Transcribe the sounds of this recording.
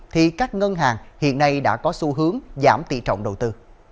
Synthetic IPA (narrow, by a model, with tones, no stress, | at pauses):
t̪ʰi˨˩kaː˦˥k̚ŋə˧nɦaː˨˩ŋhḭ˧˨ənːa˧jɗa̰ː˧˥kɔ˨˦su˧ɦɨ˨˦əŋzaː˧˩mt̪ḭ˧˨t͡ɕɔ̰˧˨wŋ͡mɗə˨˩wt̪ɨ˧